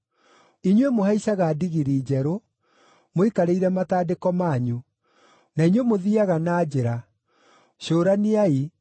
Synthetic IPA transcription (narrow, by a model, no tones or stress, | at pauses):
iɲwemohaisaɣadiɣiɾiːd͡ʑɛɾo | moikaɾeiɾɛmataːdekɔmaɲu | naiɲwemoðiaɣanaːd͡ʑeɾa | ɕoːɾaniai